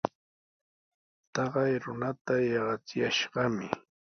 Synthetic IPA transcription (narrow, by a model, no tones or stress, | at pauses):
t̪ɑɢɑjɾʊnat̪ajɑɢɑt͡sɪjaʃɢɑmɪ